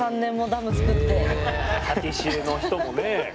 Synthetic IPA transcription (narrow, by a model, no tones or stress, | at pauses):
ãnːẽ̞mːo̞d̪amɯ̟t͡sɨ̥kɯ̟t̪ːe̞hakʲiɕiɯno̞ç̥t̪o̞mone